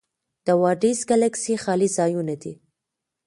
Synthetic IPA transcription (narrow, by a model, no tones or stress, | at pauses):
d̪̥awɑɖizɡalaksixɑlizɑjunad̪i